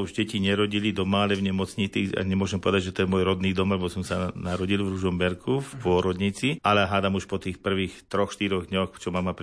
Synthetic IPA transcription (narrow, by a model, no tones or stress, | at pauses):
uʒɟɛciɲɛɾɔɟilid̪ɔmaalɛvɲɛmɔt͡sɲit͡siːa̰ɲɛmʊɔʒɛmpɔʋɛd̪aɟʲʒɛt̪ɔjɛmʊɔjɾɔd̪niːd̪ɔmlɛbɔsɔmsanaɾɔɟilvɾuʒɔmbɛɾkʰufpʊɔɾɔd̪ɲit͡sialɛɦaːd̪amuʃpɔt̪iːxpr̩ʋiːxt̪ɾɔxʃt̪iɾɔɣd̪ɲɔxt͡ʃɔmamapɾ